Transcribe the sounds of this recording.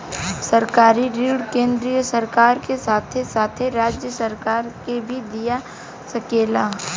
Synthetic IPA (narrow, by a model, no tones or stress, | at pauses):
sɐɾkaːɾiɾiːɽkẽːnd̪ɾijəsɐɾkaːɾkesaːt̪ʰesaːt̪ʰeɾaːd͡ʒjəsɐɾkaːɾkebʱid̪ija | sɐkeːlaː